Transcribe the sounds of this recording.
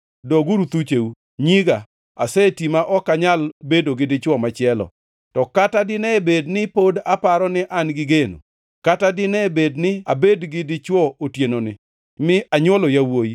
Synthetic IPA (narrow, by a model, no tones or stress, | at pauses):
dɔɡuɾut̪ut͡ʃeu | ɲiɡa | a̰sɛtimaʔɔkaɲalbedoɡɪdɪt͡ʃwɔmat͡ʃɪɛlɔ̰ | tɔkatadɪnɛbednɪpodapaɾɔnɪʔanɡɪɡeno̰ | katadɪnɛbednɪabedɡɪdɪt͡ʃwɔotjenonɪ | mɪʔaɲwɔlojawoji